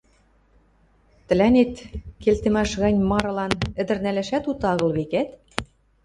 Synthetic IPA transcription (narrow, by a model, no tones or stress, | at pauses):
t̪ɘ̆lænet̪kelt̪ĕmæʃɣɑnʲmɑɾɤ̆lɑnɘ̆d̪ɘ̆rnælæʃæt̪ut̪ɑɣɤ̆lβekæt̪